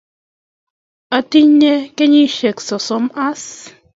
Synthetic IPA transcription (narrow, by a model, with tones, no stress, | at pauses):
a˨ti˦ɲe˦ke˦ɲi˦ʃe˨ksɔ˨sɔ˨˦ma˦s